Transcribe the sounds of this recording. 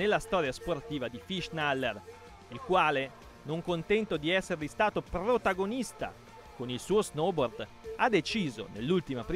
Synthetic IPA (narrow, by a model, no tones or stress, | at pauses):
elːast̪ɔːɾjasport̪iːvad̪ifiʃnalːer | ilkwaːle | noŋkont̪ɛnt̪od̪iɛsːeɾlist̪aːt̪oprot̪aɡonist̪a̰ | konilsuːoznɔbord̪ | ad̪et͡ʃiːzo̰nelːult̪imapɾ